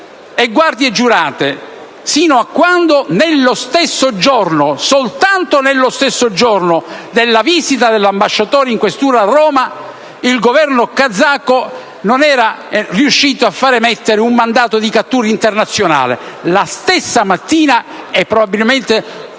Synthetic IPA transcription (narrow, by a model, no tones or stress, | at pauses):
eɡward̪ied͡ʒːuɾaːt̪e | siːnoakːwand̪onelːost̪esːod͡ʒornosolt̪ant̪onelːost̪esːod͡ʒornod̪elːaviːzit̪ad̪elːambaʃːat̪oːɾeiŋkwest̪uːɾaːrːɔːma | ilɡovɛrnokad̪zːakːo | nonɛːɾariuʃːiːt̪oafːaːɾemɛt̪ːeɾeumːand̪aːt̪od̪ikat̪ːuːɾint̪ernat̪sːjona̰ːlḛlast̪esːamat̪ːiːnaɛpːɾobabilment̪e